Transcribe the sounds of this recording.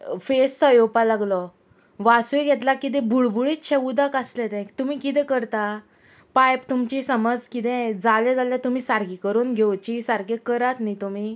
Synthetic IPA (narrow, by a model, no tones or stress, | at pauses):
fessəjopalaɡlɔ | ʋasujɡʱet̪lakit̪̬ẽbʱuɭbuɭiːt̪ɕeud̪akaslɛt̪ɛ̃kt̪um̤ikit̪ɛ̃kəɾt̪a | pajpt̪umt͡ɕisəməd͡zkit̪ɛ̃d͡zalɛd͡zalat̪um̤iːsaɾɡikəɾuːnɡʱewt͡ɕisaɾɡekəɾat̪nit̪um̤i